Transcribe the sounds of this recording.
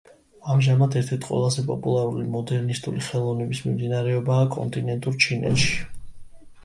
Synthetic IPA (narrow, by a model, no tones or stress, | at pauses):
amʒamat̪ʰɛɾt̪ʰɛɾt̪ʰqʼwɛ̰lˠazɛpʼɔpʼulˠaɾulimɔd̪ɛɾnist̪ʼṵliχɛlˠɔvnɛbismimd̪inaɾɛɔbaːkʼɔ̰nt̪ʼinɛnt̪ʼuɾt͡ʃʰinɛ̰t̪ʃi̥